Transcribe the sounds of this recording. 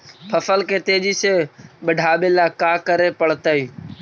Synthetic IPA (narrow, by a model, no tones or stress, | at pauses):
pʰəfəlkeːt̪eːd͡ʒiːseːɓəɖʱaːɓeːlaːkaːkəɾeːpəɭ̤t̪əiː